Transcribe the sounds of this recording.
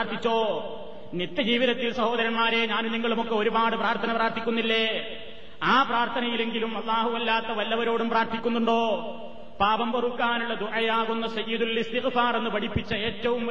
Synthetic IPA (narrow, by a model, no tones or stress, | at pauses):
ɾt̪ʰit͡ɕːo̞ː | nit̪jɐd͡ʑiːʋiðɐt̪ːilsɐho̞ːd̪ɐɾɐɳmaːɾeɲaːnumniŋːɐɭumokːe̞oɾubaːɽɨpraːɾt̪ʰɐnɐpraːɾt̪ʰikʲːunːilːe̞ː | aːpraːɾt̪ʰɐnɐjile̞ŋɡilumɐlˠːaːɦuɐlːaːt̪ːɐʋɐlːɐʋɐɾo̞ːɽumpraːɾt̪ʰikʲːunːuɳɖo̞ː | paːbɐmbɐrukːaːnuɭːɐd̪uʔɐjaːɣunːɐsɐjiːd̪ulist̪iɣfaːre̞nːɨpɐɽipːit͡ɕːɐeːtːɐʋum